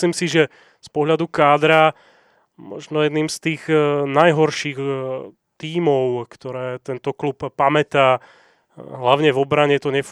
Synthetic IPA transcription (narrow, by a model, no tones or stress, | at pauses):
liːmsiʒɛ | spɔɦlʎad̪ukaːd̪ɾa | mɔ̰ʒnɔjɛd̪niːmst̪iːɣnajɦɔɾʃiːɣ | t̪iːmɔʊkt̪ɔɾɛːt̪ɛnt̪ɔklupːamɛt̪aː | ɦlaʊɲɛvɔbɾaɲɛt̪ɔɲɛf